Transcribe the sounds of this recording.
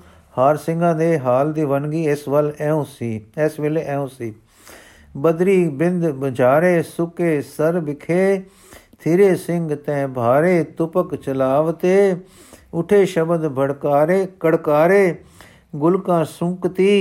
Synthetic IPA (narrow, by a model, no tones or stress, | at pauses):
haːɾsɪ̃ŋɡãːd̪eːɦaːld̪iːʋənɡiːɪsʋəlɛ̃ːõːsiːɛsʋɪleːʔɛːõːsiː | bəd̪ɾiːbɪnd̪bəd͡ʒaːɾeːsʊkeːsəɾbɪkʰeː | t̪ʰiːɾeːsɪŋɡt̪ɛ̃ːbʱaːɾeːt̪ʊpəkt͡ʃəlaːʋt̪eː | ʊʈʰeːʃəbəd̪bʱəɽkaːɾeːkəɽkaːɾeː | ɡʊlkãːsʊ̃ŋkt̪iː